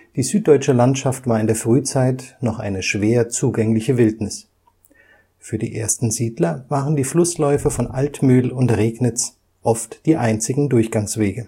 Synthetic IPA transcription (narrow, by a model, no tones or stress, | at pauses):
d̥iːzyːt̚d̥ɔʏt͡ʃəlantʃaftv̥aːɐɪndeːɐfʁ̥yːt͡saɪtnɔχʔa̰ɪnəʃv̥eːɐt͡suːɡɛŋlɪçəvɪltnɪs | fyːɐdḭːʔḛːɐstn̩ziːdlɐvaːʁəndiːflʊslɔʏfɐfɔnʔaltmyːlʊntʁeːɡnɪt͡s | ʔɔftd̥iːʔaɪnt͡sɪɡŋ̩dʊɐçɡ̥aŋsv̥eːɡə